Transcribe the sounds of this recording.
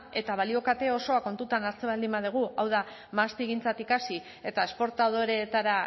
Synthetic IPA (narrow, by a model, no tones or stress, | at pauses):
e̞t̪aβ̞alio̞kat̪e̞o̞so̞ako̞nt̪ut̪anaɾt͡seβald̪imbað̞eɣ̞uawða | mast̪iɣint͡sat̪ikasi | e̞t̪ae̞spo̞ɾt̪aðoɾet̪aɾa